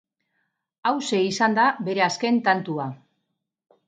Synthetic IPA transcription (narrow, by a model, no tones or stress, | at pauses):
awse̞isand̪abe̞ɾe̞aske̞nt̪ant̪ua